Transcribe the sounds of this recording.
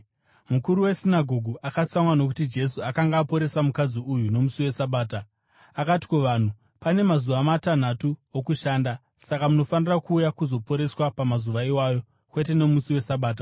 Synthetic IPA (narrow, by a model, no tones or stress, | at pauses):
mukuɾuwe̞sinaɡʱo̞ɡʱuʔakat͡samwano̞kutid͡ʒe̞s̬uakaŋɡaːpo̞ɾe̞samukad͡ziujuno̞musiwe̞saɓaːta | akati̥koʋan̤u | pane̞mazuʋamatan̤atuokuʃaːnda | sakamuno̞fanirakuːjakuzo̞po̞ɾe̞swapamazuʋaiwaːjo̞ | kwe̞te̞no̞musiwe̞saɓaːt̬a